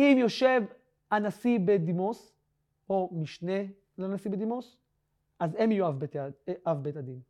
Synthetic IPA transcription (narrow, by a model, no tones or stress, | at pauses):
imjo̞ʃe̞v | anasibed̪imos | omiʃne | lanasibed̪imos | ʔazemijuavbeʔavbet̪ad̪in